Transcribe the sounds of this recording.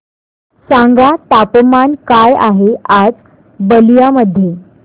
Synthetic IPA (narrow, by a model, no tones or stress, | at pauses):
sãŋɡat̪apmankaja̰ɦead͡z | bəlijaməd̪ʱːje